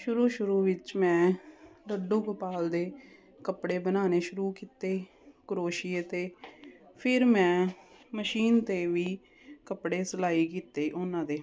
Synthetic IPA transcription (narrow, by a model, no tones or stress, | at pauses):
ʃʊɾuːʃʊɾuːʋɪt͡ʃmɛ̃ːləɖõːkʊpaːld̪eː | kəpɽeːbənaːneːʃʊɾuːkiːt̪eː | kəɾoːʃiːet̪eː | pʰɪɾmɛ̃ːməʃiːnt̪eːʋiː | kəpɽeːsəlaːiːkiːt̪eːʔʊnãːd̪eː